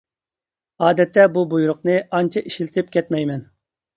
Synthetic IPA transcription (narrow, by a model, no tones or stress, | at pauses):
ɑːd̪ɛt̪ʰːɛbubujuɾʊqnɨʔɑnt͡ʃʰɑiʃilt̪ʰɪp̚kʲʰɛt̪mɛjmɛn